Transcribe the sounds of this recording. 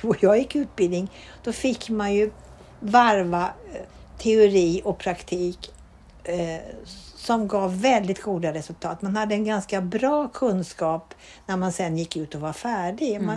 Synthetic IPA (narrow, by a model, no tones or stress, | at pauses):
ɔjɑːɡjɪkːʉ̟ːt̪̚bɪld̪nɪŋ | d̪̥ɔfɪkːmanjɵ | vaɾva | t̪ʰɛʊɾiːɔpʰɾakt̪ʰiːk | sɔmɡɑːvːɛld̪ɪt̪ɡ̥uːd̪aɾɛsɵlt̪ʰɑːt̪manhad̪ːəɛnɡanskabɾɑːkʰɵnːskɑːp | næɾmansɛnːjɪkːʉ̟ːt̪ɔvaɾfæːɖɪma